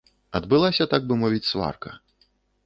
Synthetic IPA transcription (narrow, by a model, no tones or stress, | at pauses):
ɐd̪bɨlˠasʲɐt̪aɡ̚bɨmɔvʲit͡sʲsva̰rkɐ̰